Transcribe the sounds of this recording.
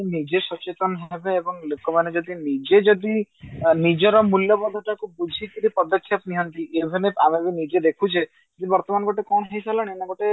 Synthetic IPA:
nid͡ʒesɔt͡ʃet̪ɔnɔɦebeːbɔŋlekɔmaned͡ʒɔd̪inid͡ʒed͡ʒɔd̪inid͡ʒɔɾɔmuljɔpɔd̪ʱːɔʈakubud͡ʒʱikiɾipɔd̪ɔkʰːjap̪niɦʌnt̪iʔebʱineamebinid͡ʒed̪ekʰut͡ʃʰe | d͡ʒɔd̪ibɔɾt̪ɔmanɔɡɔʈekɔɳ̃ɔɦejsalɔɽ̃ienɔɡɔʈe

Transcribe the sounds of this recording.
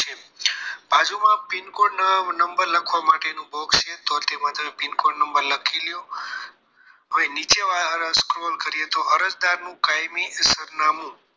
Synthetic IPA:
t͡ʃʰe | b̥ad͡ʒumãpinkoɽnəmbəɾləkʰʋamaʈenũbɔkst͡ʃʰet̪ot̪emãt̪ʰəepinkoɽnəmbəɾləkʰilju | ɦəʋenit͡ʃeʋaəɾəskɾolkəɾijet̪oʔəɾəd͡ʒd̪aɾnũkajmisəɾnamũ

